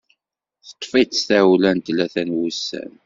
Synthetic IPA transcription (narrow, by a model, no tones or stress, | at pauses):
θə̥t̪ˤːfit̪st̪æwlænt̪læθænwusːæ̰n